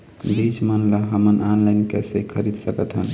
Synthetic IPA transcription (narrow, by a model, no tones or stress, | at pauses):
lid͡ʒmənlaɦəmənanlajnkesekʰəɾid̪səkət̪ɦən